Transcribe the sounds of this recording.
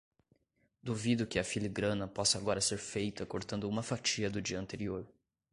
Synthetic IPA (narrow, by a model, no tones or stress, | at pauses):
d̪uvid̪ʊkɪɐfiliɡɾɐ̃nɐpɔsɐaɡɔɾɐseɾfejt̪ɐkoɾt̪ɐ̃nd̪ʊũmɐfat͡ʃiɐd̪ʊd͡ʒiɐɐ̃nt̪eɾioɾ